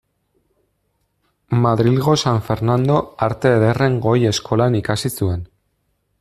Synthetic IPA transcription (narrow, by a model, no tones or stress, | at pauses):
maðɾilɣo̞saɱfe̞ɾnand̪o̞aɾt̪e̞ːðere̞ŋɡo̞je̞skʰo̞lanikasisue̞n